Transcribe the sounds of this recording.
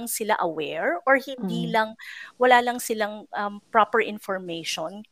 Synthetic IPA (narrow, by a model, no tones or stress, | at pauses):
ŋsɪla̰ʔɐwɛɹʔoɹhɪnd̪iːlɐŋwɐlaːlɐŋsɪlaŋʔɐmpɹopɛɹʔɪ̃nfɔɹmejʃon